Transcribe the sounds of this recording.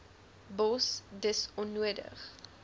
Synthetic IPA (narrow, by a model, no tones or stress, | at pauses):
bɔsdəsɔnːuədə̰χ